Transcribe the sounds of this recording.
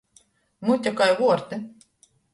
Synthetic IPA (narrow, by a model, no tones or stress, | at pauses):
mut̪ʲakajvuɔɾt̪ɨ